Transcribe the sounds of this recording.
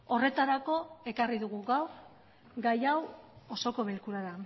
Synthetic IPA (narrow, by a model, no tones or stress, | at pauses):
o̞re̞t̪aɾako̞e̞kariðuɣuɣawɾ | ɡajawoso̞ko̞βe̞lkuɾaða